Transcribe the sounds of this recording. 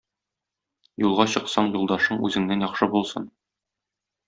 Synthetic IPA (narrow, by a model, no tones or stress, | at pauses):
julˠʁɑɕɤ̆qsɑɴjulˠd̪ɑʃɤɴʉzɘ̆ŋnænjɒχʃɤbulˠsɤn